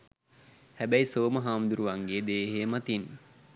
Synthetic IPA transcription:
hæbæjsoːməɦaːmd̪uɾuʋaŋɡeːd̪eːɦeːmat̪in

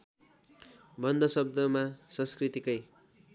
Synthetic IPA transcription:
bʌnd̪ʱʌsʌb̚d̪ʌmasʌ̃skrit̪ikʌj

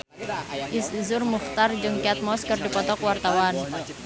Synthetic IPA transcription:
ʔɪsizʊrmuxt̪ard͡ʒɨŋkiat̪̚mɔskɨrdipɔt̪ɔkwart̪awan

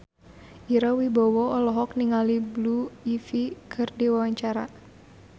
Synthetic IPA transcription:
ʔiɾawibɔwɔɔlɔɦɔkniŋalibluifikʰɨrdiwawaɲt͡ʃaɾa

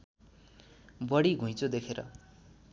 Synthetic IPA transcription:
bʌɽiɡʱũj̃t͡sud̪ekʰeɾʌ̰

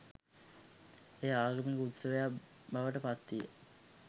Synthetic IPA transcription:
eːaːɡəmekəut̪səʋeja | baʋəʈəpat̪ːijə̰

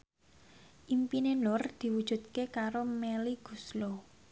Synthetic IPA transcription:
ʔimpinenʊrd̪̥i̤wud̥ʒ̥ṳt̪̚kekaɾomeliɡ̥ṳslo

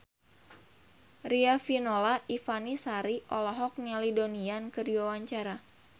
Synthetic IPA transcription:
riafinolaʔifanisaɾiʔɔlɔɦɔk̚nalidoniankɨdiwawaɲt͡ʃaɾa

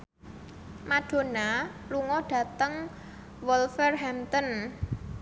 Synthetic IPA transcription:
maɖ̥o̤naluŋɔɖ̥a̤t̪əŋ | wɔlfərɦɛmt̪ɔn

